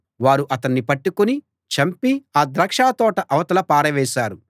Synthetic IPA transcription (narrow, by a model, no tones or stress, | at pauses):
ʋaːɾuʔɐt̪ɐnːipɐʈːukuni | t͡ʃɐmpiaːd̪ɾɐkʂaːt̪ɔːʈɐʔɐʋɐt̪ɐlɐpaːɾɐʋɛːʃaːɾu